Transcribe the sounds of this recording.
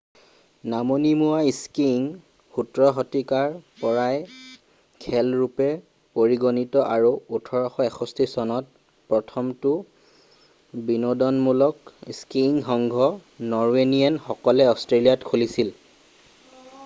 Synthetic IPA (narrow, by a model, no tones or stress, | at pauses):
namonimuaiskiŋ | xutɹɔɦɔtikaɹpɔɹaj | kʰɛlɹupɛ | poɹiɡonitɔʔaɹuutʰɔɹɔxɔɛxʰɔstisɔnɔt̚ | pɹɔtʰɔmtʊ | binɔdɔnmulɔkiskiŋxɔŋɡʱɔnɔɹwenijanxɔkɔlɛɔstɹelijatkʰolisil